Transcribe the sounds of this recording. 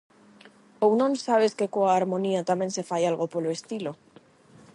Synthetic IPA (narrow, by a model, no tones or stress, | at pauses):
ownõnsaβ̞e̞ske̞koaːɾmo̞niat̪amje̞nse̞fajalɣo̞po̞loest̪ilo̞